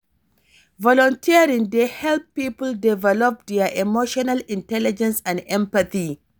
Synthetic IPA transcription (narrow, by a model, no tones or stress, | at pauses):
vɔlɔntʰiɾɪ̃ŋdehɛlppːiːpʊldɪvɛlɔp̚dɛaʔɛmoʃɔnalɪ̃ntɛlɪd͡ʒɛ̃nsãnʔɛ̃mpɐθi